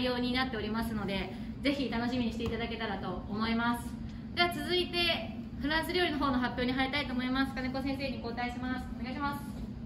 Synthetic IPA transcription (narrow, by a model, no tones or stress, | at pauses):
ijo̞ːɲ̟inat̪ːe̞o̞ɾʲimasɨno̞d̪e̞ | ze̞çit̪ano̞ɕimʲiɲ̟iɕi̥t̪e̞it̪ad̪ake̞t̪aɾat̪o̞ːmo̞imasɨ̥ | d̪e̞βat͡sɨzɨit̪e̞ | ɸɯ̟ɾãsɨɾʲo̞ːɾino̞ɦo̞ːno̞ɦapʲjo̞ːɲ̟iɦait̪ait̪oːmo̞imasɨ̥kaneko̞sẽ̞ɰ̃se̞ːɲ̟iko̞ːt̪aiɕimasɨ̥oneaiɕimasɨ̥